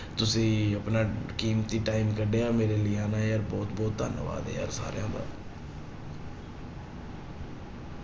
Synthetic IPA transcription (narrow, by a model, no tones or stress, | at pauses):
t̪ʊsĩːəpnaːkiːmt̪iːʈaːɪmkəɖeːaːmeːɾeːliːaːnaːeəɾbɔːt̪bɔːt̪ːə̰nʋa̰ːd̪ḛːə̰ɾsa̰ːɾjã̰ːd̪a̰ː